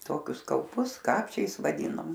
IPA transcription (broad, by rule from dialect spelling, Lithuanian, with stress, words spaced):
ˈtoːkʲʊs kɐʊˈpʊs ˈkɑːpʲt͡ʃʲɛɪs ʋɐˈdʲiːnoːm